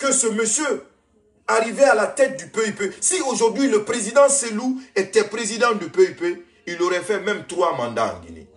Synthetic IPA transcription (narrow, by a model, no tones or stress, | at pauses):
kəsəməsjø | aʁivɛalat̪ɛt̪̚d̪ypeypesioʒuʁd̪ɥiləpʁezid̪ɑ̃seluet̪ɛpʁezid̪ɑ̃d̪əpeype | iloʁɛfɛmɛ̃mt̪χʁwamɑ̃nd̪ã̰ɑ̰̃ɡḭnḛ